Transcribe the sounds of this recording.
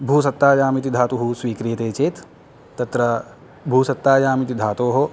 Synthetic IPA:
bʱuːsɐt̪ːaːjaːmit̪̬id̪ʱaːt̪uɦuswiːkɾijɐt̪eːt͡ʃeːt̪ː | ɐt̪ɾɐ | bʱuːsɐt̪ːaːd͡ʒaːmit̪id̪ʱaːt̪oːɦoː

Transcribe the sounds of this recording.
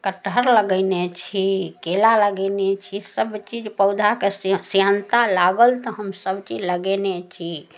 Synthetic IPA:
kəʈʰəɾləɡəɪnet͡ʃʰikelaləɡənet͡ʃʰisəbt͡ʃid͡ʒpəwd̪ʱakesjant̪alaɡəlt̪ɔɦəmsəbt͡ʃid͡ʒləɡenet͡ʃʰi

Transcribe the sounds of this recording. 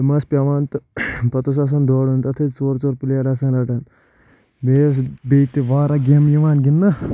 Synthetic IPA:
mɐspʲaʋaːnt̪ɨpɐt̪os̬ɐs̬ɐnd̪ʱoːɽunt̪ɐt̪ʰet͡soːɾt͡soːɾpilaɾɐs̬ɐnɾɐʈɐn | beːs̬bet̪iʋaːɾɐɡʲemjiʋaːnɡinːɐ

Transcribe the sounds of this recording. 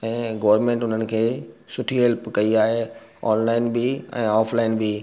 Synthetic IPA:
ɛ̃ːɡɐʋəɾmẽːɳʈʊn̤ənɪ̆kʰeːsʊʈʰiɦɛlpkɐiaːɦe | ɔːnlaːɪnbɪɛ̰̃ːaːfʰlaːɪnbi

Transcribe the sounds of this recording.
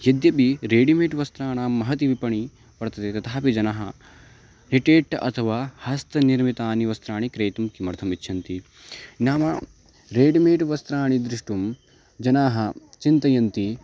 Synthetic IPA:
jɐd̪jɐbiɾeːɖimeːʈʋɐst̪ɾaːɳaːmːɐɦɐt̪iʋipɐɳi | ʋɐɾt̪ɐt̪et̪ɐt̪ʰaːpid͡ʒɐnaːɦɐ | niʈeːʈːɐʔɐt̪ʰɐʋaːhɐst̪ʰɐniɾmit̪aːniʋɐst̪ɾaːɳikɾeːt̪umkimɐɾt̪ʰɐmitːʰɐnt̪i | njaːmɐ | ɾeːɖimeːʈʋɐst̪ɾaːɳid̪ɾiʂʈum | d͡ʒɐnaːɦɐ | t͡ʃint̪ɐjɐnt̪i

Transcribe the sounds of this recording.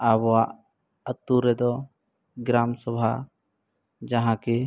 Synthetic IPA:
abɔaʔ | ət̪ːuɾɛd̪ɔ | ɡɾamsɔbʱa | d͡ʒaɦãki

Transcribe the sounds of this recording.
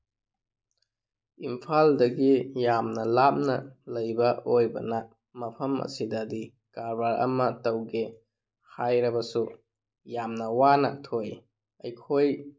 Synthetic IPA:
impʰaldɐɡijamnɐlap̚nɐlɐjbɐojbɐ̰na | mɐpʰɐmɐ̰sidɐdi | kaɾbaɾɐ̰mɐtɐwɡe | hajɾɐbɐsu | jamnɐwanɐtʰoj | ɐjkʰoj

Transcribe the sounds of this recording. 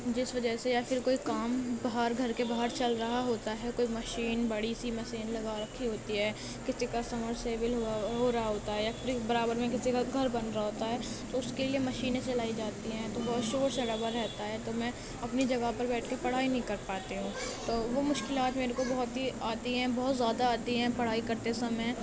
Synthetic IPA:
d͡ʒɪsʋɐd͡ʒəsejaːfɪɾkoːikaːmbaɦəɾɡʱɐɾkebaːɦəɾt͡ʃɐlɾɐɦaɦoːt̪aɦɛkoːimɐʃiːnbɐɽisimɐseːnlɐɡaɾɐkʰːiɦoːt̪iɦɛː | kɪsikasɐməɾseːʋɪlɦoɦoːɾɐɦaɦoːt̪aɦɛjaɾibɐɾaːbəɾmẽk̬ɪsikaɡʱɐɾbɐnɾaɦoːt̪aɦɛː | t̪oʊskeliemɐʃiːnẽt͡ʃɐlaːid͡ʒaːt̪iɦɛ̃t̪obɔːt̪ʃoːɾseɖɐbəɾɾɛɦt̪aɦɛt̪omɛ̃ː | ɐpnid͡ʒɐɡaɦpɐɾbɛːʈʰkepɐɽ̤aːinɐɦĩkɐɾpaːt̪eɦũːt̪oːʋomʊʃkɪlaːt̪meːɾekobɐɦʊt̪ɦiaːt̪iɦɛ̃bɔɦːt̪zjaːd̪aaːt̪iɦɛ̃ːpɐɽ̤aːikɐɾt̪esɐməj

